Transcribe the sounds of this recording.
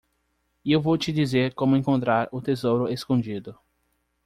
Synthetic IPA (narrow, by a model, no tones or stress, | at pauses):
iewvowt͡ʃɪd͡ʒizeɾkõmʊẽŋkõnt̪ɾaɾʊt̪ezowɾʊeskõd͡ʒid̪ʊ